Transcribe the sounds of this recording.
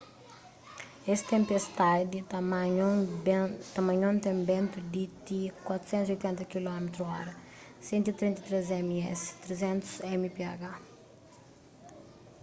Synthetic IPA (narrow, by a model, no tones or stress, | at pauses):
est̪ẽmpest̪ad̪i | t̪ɐmɐ̃ɲõnt̪ẽmbɛ̃nt̪ud̪it̪ikwat̪ɾu̥sɛ̃nt̪uziojt̪ɛ̃nt̪ɐkilɔmet̪ɾuɔɾɐ | sɛ̃nt̪it̪ɾĩnt̪ɐt̪ɾezɛmiɛ̰st̪ɾezɛ̃nt̪u̥sɛmipeaɡa